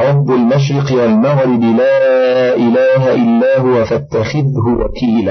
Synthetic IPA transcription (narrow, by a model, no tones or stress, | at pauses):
ʕɑbːalmaʃ̬ɾɪqɪwalmaɣɾɪd̪ɪlaʔɪlaːɦaʔɪlːaːhʊwafat̪ːaxɪðhʊwa̰kiːla